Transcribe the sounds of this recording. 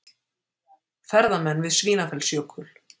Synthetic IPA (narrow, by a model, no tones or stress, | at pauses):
θɛɾðamɛnːvɪðsviːnafɛlsjokʰʏl